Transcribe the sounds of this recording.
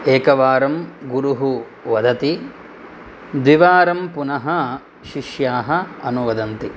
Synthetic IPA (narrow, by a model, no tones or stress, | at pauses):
eːkɐʋaːɾɐmɡuɾuɦu | ʋɐd̪ʱɐt̪i | d̪ʋiʋaːɾɐmpunɐɦɐ | ʃiʃjaːɦɐɐnuʋɐd̪ɐnt̪i